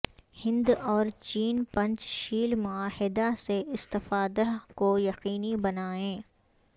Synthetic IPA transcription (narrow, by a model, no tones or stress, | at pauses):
hɪ̃nd̪ɔːɾt͡ʃiːnpɐ̃ɲt͡ʃʃiːlmʊaːhɪd̪aseʔɪst̪ɪfaːd̪akojɐqiːnibɐnaːẽː